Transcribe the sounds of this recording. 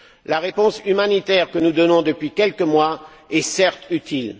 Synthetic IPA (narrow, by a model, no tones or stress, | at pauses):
laʁepɔ̃symanit̪ɛʁkənud̪ɔnɔ̃d̪əpɥikʲɛlkəmwa | ɛsɛʁt̪yt̪ʰil